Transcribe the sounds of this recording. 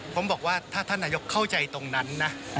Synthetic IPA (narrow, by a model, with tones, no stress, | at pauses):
pʰo˩˦mbɔː˨˩k̚waː˥˩t̪ʰaː˥˩t̪ʰa˥˩naː˧jo˦˥kkʰːa˥˩wt͡ɕa˧jt̪o˧ŋna˦˥nːa˦˥